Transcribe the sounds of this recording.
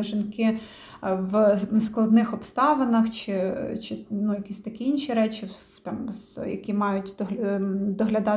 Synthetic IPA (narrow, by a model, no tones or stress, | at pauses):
ʒɪnkɪ | ʋsklˠɐd̪nɪxɔpst̪ɑʋɐnɐxt͡ʃɪt͡ʃɪnujɐkʲisʲt̪ɐkʲiinʃiɾɛt͡ʃi | t̪ɑmsjɐ̰kʲimɑjʊtʲd̪ɔd̪ɔɦlʲɐd̪ɑ